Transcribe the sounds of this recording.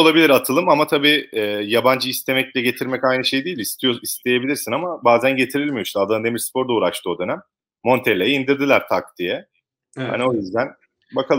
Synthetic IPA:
olˠabilʲiɾat̪ʰɯlˠɯmamat̪ʰabiːɛːjaband͡ʒɯist̪ʰe̞mɛclʲɛɟe̞t̪ʰiɾmɛcajnɯʃe̞jd̪ijːilʲist̪ʰijoist̪ʰe̞je̞bilʲiɾsinamabaːzænɟe̞t̪ʰiɾilʲmijosad̪and̪emiɾspʰo̞ɾd̪auːɾaʃt̪ʰɯo̞d̪ø̞næmː | o̞nt̪ʰelʲejɛind̪iɾd̪ilʲˠæɾt̪ʰak̚d̪ijɛ | ha̰nio̞jyzd̪æn | bakʰalˠ

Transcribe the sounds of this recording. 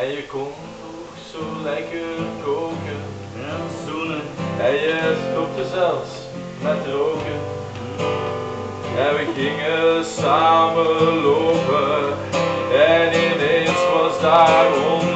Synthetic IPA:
ɛjəkɔn | oksoːlɛjkəkowkə | dunəɛjəstɔp̚təzɛlˠfs | mɛtrowkə | ɛ̃nʋəɣɪŋəsaːməloːpə | ɛnɪnensʋɑzdaːɹɔm

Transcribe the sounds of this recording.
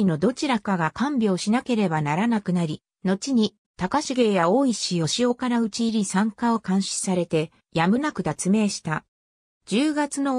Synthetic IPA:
ino̞d̪o̞t͡ɕiɾakaɡakãmbʲo̞ːɕinake̞ɾe̞banaɾanakɯ̟naɾʲi | no̞t͡ɕiɲ̟i | t̪akaɕiɡe̞ːjao̞ːiɕijo̞ɕio̞kaɾaɯ̟t͡ɕiːɾʲisãŋkao̞kãɰ̃ɕi̥saɾe̞t̪e̞ | jamɯ̟nakɯ̟d̪at͡sɨme̞ːɕi̥t̪a | d͡ʑɨːɡat͡sɨno̞

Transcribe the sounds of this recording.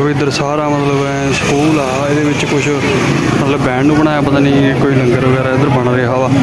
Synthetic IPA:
ʋɪd̪əɾsaːɾaːmət̪ləb | sə̥kuːla | ɪd̪eːbɪt͡ʃkʊʃʰ | mət̪ləbːɛ̃ːɳɖʊbəɽaːjaːpət̪ãːnĩːkoːiːləŋɡəɾʋəɡɛːɾaːɪd̪əɾbəɳɾeːɦaːʋaː

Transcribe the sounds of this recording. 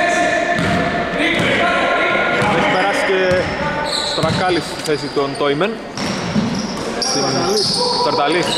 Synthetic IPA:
ðeçi̥peɾɐsice | st̪oɾɐkɐlist̪iθesit̪ont̪ojmen | st̪inlist̪ɐɾt̪ɐlis

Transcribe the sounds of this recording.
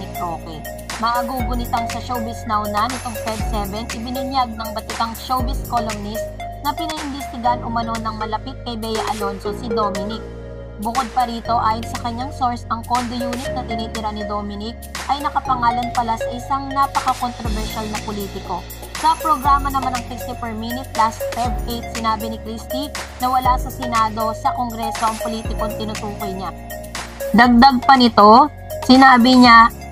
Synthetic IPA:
ɪkɾoːkɛ | mɐʔɐɡuːbʊnɪt̪ɐŋsɐʃowbɪsnawnanːɪt̪oŋfɛd̪̚sɛvɛnʔɪbɪnɪnjaɡ̚nɐŋbɐt̪ɪt̪aŋʃowbɪskolomnɪst̪ | nɐpɪnɐʔɪnbɛst̪ɪɡanʔʊmɐno̞nɐŋmɐlɐpit̪̚kɐjbɛjɐʔɐlo̞nsosɪd̪o̞mɪnɪk̚ | bʊkod̪̚pɐɾiːt̪o̞ʔaːjonsɐkɐɲːaŋso̞ɹsɐŋkond̪ojuːnɪt̪̚nɐt̪ɪniːt̪ɪɾanɪd̪omɪnɪk̚ʔɐjnɐkɐpɐŋaːlɐnpɐlasɐʔɪsaŋnapɐkɐkont̪ɾovɛɹʃalnɐpoliːt̪ɪko̞ | sɐpɾoɡɾaːmɐnɐmanɐŋsɪkt̪ɪfɛɹminɪt̪̚plasfɛvʔejt̪̚sɪnaːbɪnɪkɾist̪inɐwɐlasɐsɛnaːd̪o̞sɐko̞ŋɡɾɛːso̞ʔɐŋpoliːt̪ɪkont̪ɪnʊt̪uːko̞jɲa | d̪ɐɡ̚d̪ɐɡ̚pɐnɪt̪o̞ | sɪnaːbɪɲa

